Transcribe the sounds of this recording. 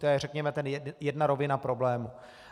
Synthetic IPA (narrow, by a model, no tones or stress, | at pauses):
t̪ojɛrɛkɲɛmɛt̪ɛnjɛdjɛdnaɾo̞vɪnapɾo̞blɛːmu